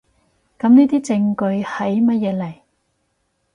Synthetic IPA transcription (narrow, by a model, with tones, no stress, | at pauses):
kɐ˨˥mniː˥t̪iː˥t͡sɪ˧ŋkɵ˧ɥhɐ˨˥jmɐ˥t̚jɛː˨˧˥lɐ˨˩j